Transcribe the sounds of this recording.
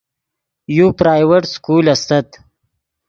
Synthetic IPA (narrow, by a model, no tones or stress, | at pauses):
jupɾaːjweʈskuːlɐst̪at̪